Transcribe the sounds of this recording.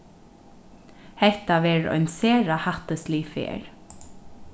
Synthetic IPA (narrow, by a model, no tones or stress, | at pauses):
hɛht̪aʋɛːɹɔ̰jnseːɾahaht̪əsliːfḛːɹ